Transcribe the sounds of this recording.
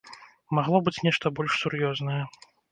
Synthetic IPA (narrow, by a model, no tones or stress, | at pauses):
maɣlˠɔbɨt͡sʲnʲɛʂt̪ɐbɔlʲʂsuɾjɔznɐjɛ